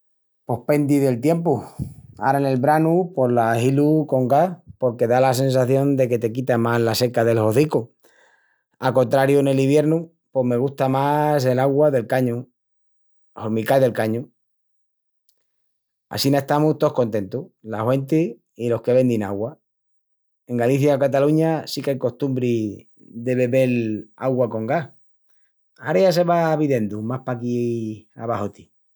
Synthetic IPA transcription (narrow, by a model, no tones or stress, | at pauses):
po̞hpe̞nd̪iðe̞lt̪je̞mpua̰ɾaene̞lβɾanupo̞ɾlahiluko̞ŋɡahpo̞ɾke̞ðalas̬e̞ns̬aθjo̞nd̪e̞ke̞t̪e̞kit̪amazlase̞kaðe̞lho̞θiku | ako̞nt̪ɾaɾjune̞liβ̞je̞ɾnu | po̞me̞ɣ̞ust̪amase̞laɣwaðe̞lkaɲu | oɾmikalðe̞lkaɲu | a̰sinaeht̪amut̪o̞ko̞nt̪e̞nt̪ulahwe̞nt̪i | ilo̞hke̞βe̞nd̪ina̰ɣwa | e̞ŋɡaliθjakat̪aluɲasikajko̞st̪umbɾi | ðe̞βe̞βe̞la̰ɣwako̞ŋɡah | aɾeas̬e̞βaβiðe̞nd̪umahpakia̰βahot̪i̥